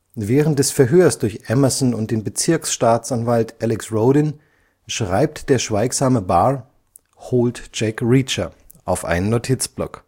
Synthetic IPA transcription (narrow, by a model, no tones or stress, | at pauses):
vɛːʁənt̚d̥ɛsfɛɐɦøːɐsd̥ʊɐçʔɛmɐzɔnʊnt̚d̥eːnbət͡sɪɐksʃtaːt͡sanvaltʔɛlɪksʁoʊdɪn | ʃʁ̥aɪp̚td̥eːɐʃv̥aɪkz̥aːməbaː | hoːltd͡ʒ̥ɛkʁiːt͡ʃɐ | ʔaʊfʔa̰ɪnənːotʰɪt͡sb̥lɔ̰k